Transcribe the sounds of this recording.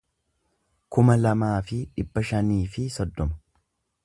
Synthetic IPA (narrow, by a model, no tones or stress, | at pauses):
kʊmɐlɐmaːfɪᶑɪbːɐʃɐniːfɪsɔd̪ːɔmɐ̥